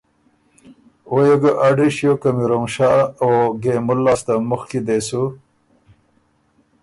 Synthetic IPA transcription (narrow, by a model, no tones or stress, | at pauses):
ojeɡaʔaɖiʃjokamiɾomʃaoɡemʊlːast̪amʊxkid̪esu